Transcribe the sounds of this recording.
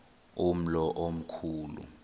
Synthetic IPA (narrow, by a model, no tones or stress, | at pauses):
um̩lɔʔom̩kʰuːlṵ